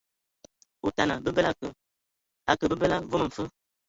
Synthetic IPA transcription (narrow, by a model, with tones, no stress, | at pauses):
u˨ta˨na̰˨bə˦bə˦la˦kə˨ | a̰˨kə˨bə˦bə˦la˦vo˦mə˨m̩˨fə˦